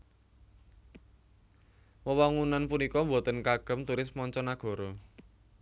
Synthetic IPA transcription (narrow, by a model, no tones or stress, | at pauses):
wəwaŋunanpunikɔmbo̤t̪ənkaɡ̥ə̤mt̪uɾɪsmɔɲt͡ʃɔnaɡ̥ɔ̤ɾɔ